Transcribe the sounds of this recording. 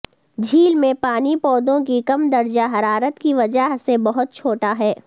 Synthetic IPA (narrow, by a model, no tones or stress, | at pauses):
d͡ʒʱiːlmẽpaːnipɔːd̪õk̬ikɐmd̪ɐɾd͡ʒaɦɐɾaːɾət̪kiʋɐd͡ʒəɦsebɐɦʊt̪̚t͡ʃʰoːʈaɦɛː